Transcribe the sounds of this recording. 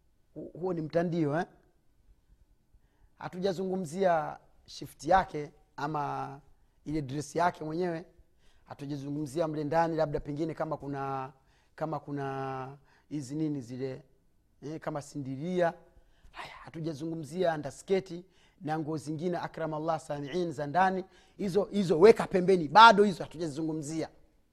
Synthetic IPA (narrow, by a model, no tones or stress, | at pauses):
huhuɔnim̩tandiɔɛ | ha̰tuʄazuŋɡum̩zia | ʃiftijakɛ | ama | ilɛdɾɛsijakɛmwɛɲɛwɛ | hatuʄazuŋɡum̩ziam̩lɛndanilab̚dapɛŋɡinɛkamakuna | kamakuna | hizininizilɛ | ɛkamasindiɾia | hajahatuʄazuŋɡum̩ziandaskɛti | naŋɡuɔziŋɡinɛʔakɾamalːasamiʕinizandani | hizɔhizɔwɛkapɛmbɛniɓaɗɔhizɔhatuʄazizuŋɡum̩zia